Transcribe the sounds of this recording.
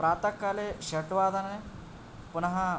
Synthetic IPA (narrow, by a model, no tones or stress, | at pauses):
ɾaːt̪ɐkːɐleʃɐʈʋaːd̪ɐne | punɐɦɐ